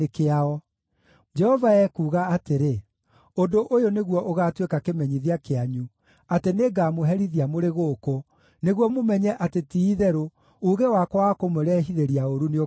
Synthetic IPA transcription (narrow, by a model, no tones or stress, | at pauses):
ekeaɔ | d͡ʒɛhɔvaɛkuːɣaːteɾe | ondoʔojoneɣwɔʔoɣaːtwekakemɛɲiðiakeaɲu | ateneɡamoɦɛɾiðiamoɾeɣoko | neɣwɔmomɛɲɛʔatetiːðɛɾo | uɣewakwakomoɾɛɦiðeɾiaoɾuneo